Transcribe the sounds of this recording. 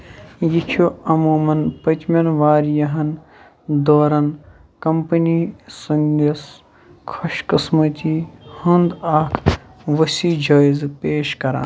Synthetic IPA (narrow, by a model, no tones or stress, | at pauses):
jikʰoːɐmoːmɐnpɐt͡ʃmʲɐnʋaːɾjɐɦɐn | d̪oːɾɐn | kɐmpɐnisɐŋɡɐs | kʰɐʃkɐsmɐt̪ihɐ̃nd̪aːkʰʋɐsiːd͡ʒaːizpeːʃkɐɾa̰ːn